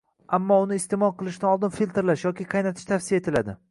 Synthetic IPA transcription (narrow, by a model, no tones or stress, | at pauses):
amːɒʊnɪːst̪emɒlˠqʰɨlˠɪʃd̪anɒlˠd̪ɪnfilʲt̪ɾlaʃjɒkʲiqʰɑjnat̪ʰɪ̥ʃt̪ʰafsɪjaet̪ʰɪla̰d̪ɪ